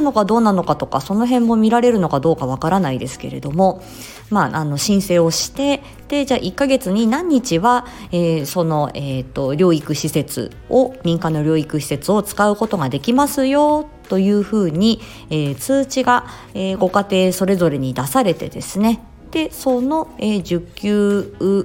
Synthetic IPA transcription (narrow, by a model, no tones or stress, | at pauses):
no̞kad̪o̞ːnano̞kat̪o̞kaso̞no̞ɦẽ̞mːo̞mʲiɾaɾe̞ɾɯ̟no̞kad̪o̞ːkaβ̞akaɾanaid̪e̞sɨ̥ke̞̰ɾe̞̰d̪o̞mo̞ | maʔano̞ɕĩɰ̃se̞ːo̞ɕi̥t̪e̞ | d̪̥e̞d͡ʑaːʔikːaɡe̞t͡sɨɲ̟inãɲ̟ːit͡ɕiβa | eːso̞no̞eːt̪ːo̞ɾʲo̞ːikɯ̟ɕise̞t͡sɨ̰ | o̞mʲĩŋkãnːo̞ɾʲo̞ːikɯ̟ɕi̥se̞t͡sɨo̞t͡sɨ̥kaɯ̟ko̞t̪o̞ɡad̪e̞kʲimasɨjo̞t̪o̞jɯ̟ːɸɯ̟ːɲ̟i | eːt͡sɨːt͡ɕiɡa | eːɡo̞kat̪e̞ːso̞ɾe̞zo̞ɾe̞ɲ̟id̪asaɾe̞t̪e̞̰d̪e̞sɨne̞ | d̪̥e̞so̞no̞eʑɨkʲːɨː